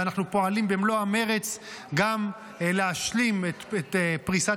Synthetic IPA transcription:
anaχnupo̞alimbemloame̞ʁet͡sɡam | leaʃlimet̪et̪pʁisa

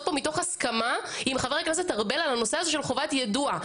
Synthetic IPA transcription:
t̚pomito̞χhaskamaimχaveʁaknas̬et̪aʁbelalano̞seazoʃe̞lχo̞vatjadua

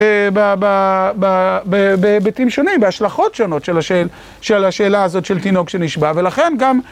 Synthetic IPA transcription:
babababebebetimʃo̞nimbeaʃlaχo̞tʃo̞no̞tʃelaʃe | ʃelaʃe̞ːlaːzo̞tʃeltino̞ɡʃeniʃbave̞laχe̞nɡam

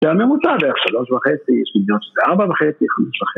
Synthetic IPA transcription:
zeamemut͡sabeeeχʃalo̞ʃvaχet͡sijɛʃmiɡ̪inot̪ʃezeaʁbavaχet͡siχameʃvaχei

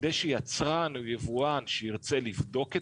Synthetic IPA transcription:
d̪ejʃejat͡sʁanujevuanʃeiʁt͡selivd̪o̞ke

